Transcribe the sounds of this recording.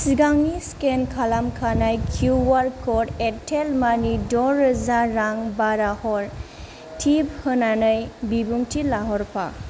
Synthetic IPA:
siɡaŋniskenkʰalamkʰanajkʰuwaɾkʰɔdetʰelmanidɔɾɯzaɾaŋbaɾahɔɾ | tʰib̚hɯnanɯjbibuŋtʰilaɦɔɾpʰa̰

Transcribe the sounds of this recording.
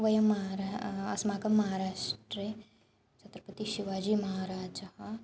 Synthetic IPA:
ʋɐjɐmːɐɦaɾaɐsmaːkɐmːɐɦaːɾaːʃʈɾe | t͡ʃɐt̪ɾɐpɐt̪iʃiʋaːd͡ʒiːmɐɦaːɾaːd͡ʒd͡ʒɐhɐ

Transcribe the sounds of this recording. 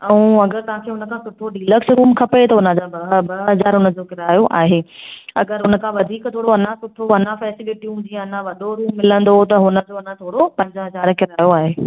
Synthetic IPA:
ɛũɐɡəɾt̪ɐɦãkʰeːɦʊnə̆kʰãːsʊʈʰoɗiːləksɾuːmkʰɐpet̪ɐʊnə̃d͡ʑabɐbɐɦɐzaːɾɦʊnə̆d͡ʑoːkɪɾaːjoʔa̰ːɦeːɐ̰ɡəɾɦʊnə̆kʰãʋɐd̪ʱiːkt̪ʰoːɽoɐnãsʊʈʰoɐnãfɛːsɪʋɪʈiũd͡ʑĩːɐnãʋɐɗoɾuːmːɪlə̃nd̪ot̪ɐɦʊnə̆d͡ʑoɐnãt̪ʰoːɽopɐ̃ɲd͡ʑəɦɐzaːɾkɪɾaːjoaːɦeː

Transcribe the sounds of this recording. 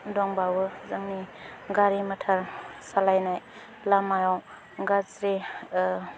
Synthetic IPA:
dɔŋbawɯzaŋniɡaɾimatʰaɾsalajnaj | lamajɔw | ɡazɾe

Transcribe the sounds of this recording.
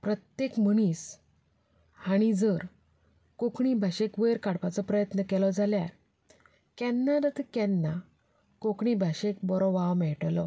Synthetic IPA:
pɾət̪jekm̤əɽ̃is | haɽ̃id͡zəɾ | kokɳibʱaɕekʋəjɾkaɽpat͡sɔpɾəjət̪nəkɛlɔd͡zʱaljaɾ | kɛ̃nːaɾət̪kɛnːa | kokɳibʱaɕek̚bɔɾɔʋawmɛɭʈlɔ

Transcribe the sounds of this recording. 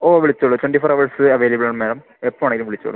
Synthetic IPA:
oːʋiɭit͡ɕːoɭɐtweɳʈifoːɾɐʋɐrsɨɐʋeːlɐbɨɭɐɳɐmːeːlɐm | epːɐmaɳeŋɡilumʋiɭit͡ɕːo̰ɭːɐ̰

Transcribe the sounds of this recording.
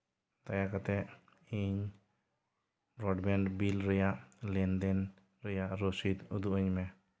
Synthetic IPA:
t̪ajakat̪ɛ | iɲ | ɾɔɖbɛɳɖbilɾɔjaʔlɛnd̪ɛn | ɾɔjaʔɾosit̪ud̪uɔɲmɛ

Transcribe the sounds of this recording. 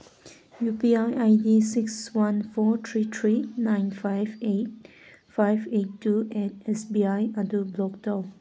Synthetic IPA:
jupiajʔajdisikswãnfɔt̪ʰɹit̪ʰɹinãɪnfaɪvet̚ | fajvettːuʔɛt̚ɛsbiajadublɔk̚dɔ

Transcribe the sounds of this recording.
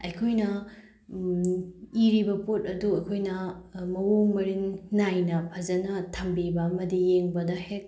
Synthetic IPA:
ɐjkʰojnɐ | iɾibɐpot̚ɐduɐjkʰojnɐmɐwoŋmɐɾiŋːajnɐpʰɐzɐnɐtʰɐmbibɐmɐdijeŋbɐdɐhek̚

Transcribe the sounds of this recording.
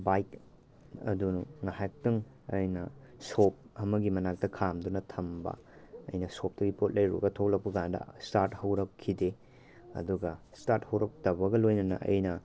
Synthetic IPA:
bajk | ɐ̰dunuŋahajk̚tɐŋ | ɐjnɐ̰sop̚ɐmɐɡimɐnak̚tɐkʰamdunɐtʰɐmbɐ̰ɐ̰jnɐsop̚tɐɡipot̚lɐjɾṵɡɐtʰok̚lɐk̚pɐɡandɐ̰staɾt̚hɐwɾɐkʰːide | ɐ̰duɡɐstaɾt̚hɐwɾɐk̚tɐbɐɡɐlojnɐnɐ̰ɐ̰jnɐ

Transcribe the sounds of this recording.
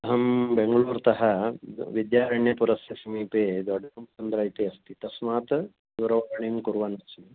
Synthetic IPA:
ɐɦɐmbeŋɡɐɭuːɾt̪ɐɦɐʋid̪jaːɾɐɳjɐpuɾɐsjɐsɐmiːpeːd̪ɔɖɐɾɐmt͡ʃɐnd̪ɾaːjt̪eɐst̪it̪ɐsmaːt̪ | d̪uːɾɐʋaːɾɐɳijmkuɾʋaːnɐt͡ʃɐmi

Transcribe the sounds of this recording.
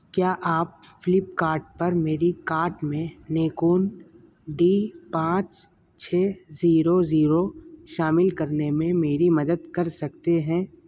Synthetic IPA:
kjaːʔaːp̚fɪlɪpkaːɾʈ̚pɐɾmeːɾikaːɾʈmẽneːkuːn | ɖiːpãːt͡ʃ | t͡ʃʰeːziːɾoziːɾoʃaːmɪlkɐɾnemẽmeːɾimɐd̪əd̪kɐɾsɐk̚t̪eɦɛ̃ː

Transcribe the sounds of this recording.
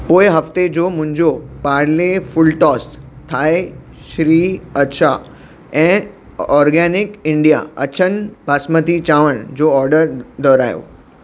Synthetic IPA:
poːɪɦɐft̪ed͡ʑoːmʊ̃ɦɪ̃ɲd͡ʑopaːɽlefʊlʈɔːst̪ʰaːe | ʃɾiːɐtʃʰa | ɛ̃ː | ɔːɾɡɛːnɪkɪ̃ɳɖija̰ɐ̰t͡ɕʰənbʱaːsmət̪it͡ɕaːʋəɽ̃d͡ʑoːɔːɾɖəɾd̪ɔːɾaːjo̰ː

